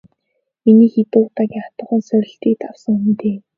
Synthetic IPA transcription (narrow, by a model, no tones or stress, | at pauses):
eniːxet̪ʊːt̪aːkʲiat̪ə̆χə̆ːnsœɾʲɪ̆ɬt̪iːk̚t̪aw̥sə̆ŋm̆nt̪eː